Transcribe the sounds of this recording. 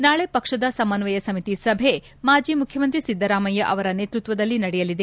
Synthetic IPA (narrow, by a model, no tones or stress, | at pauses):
naːɭepɐkʂɐd̪ɐsɐmɐnʋɐjɐsɐmit̪isɐbʱe̞ | maːd͡ʒiːmukʰjɐmɐnt̪ɾisid̪ʱːɐɾaːmɐjɐʔɐʋɐɾɐne̞ːt̪ɾut̪ʋɐd̪ɐlːinɐɽɛjɐlid̪e